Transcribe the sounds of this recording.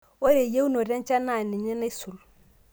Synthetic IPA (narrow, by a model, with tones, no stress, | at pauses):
wo˦ɾe˨je˦wu˦no˨ɾa˦nt͡ʃa˦na˨ni˨ɲi˦na˦su˨l